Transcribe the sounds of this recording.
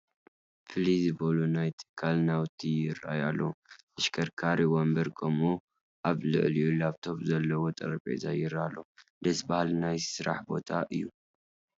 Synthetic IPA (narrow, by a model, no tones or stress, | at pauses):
fɨlizɨbɐlunajt̪ʰɨ̥kʰːalnawt̪ʰːijɪɾa̰jalːoʔɨʃkʰɐɾkʰaɾiwombɐɾkʰɐmu | ʔaβlɨ̰ʕlijulaβt̪ʰo̞pʼzɐlːɐwot̪ʼɐ̰ɾɐpʼḛza̰jɪɾalːo̞d̪ɐsbahalnajsɨɾa̰ħbo̞̰t̪ʰaʔɨjːu